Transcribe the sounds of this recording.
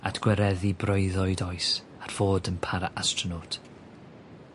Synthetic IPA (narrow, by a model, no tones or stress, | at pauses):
a̰tʰɡ̥wɛɾɛðibrɔɨðɔɨdɔjs | arv̥oːdənpʰaɾaʔastrɔnotʰ